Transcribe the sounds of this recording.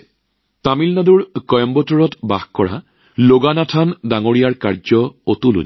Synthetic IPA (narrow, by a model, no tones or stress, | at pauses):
tamilnaduɹkɔjɔmbɔtɔɹɔtbaxkɔɹa̰ | loɡanatʰandaŋoɹijaɹkaɹzɔotulṵn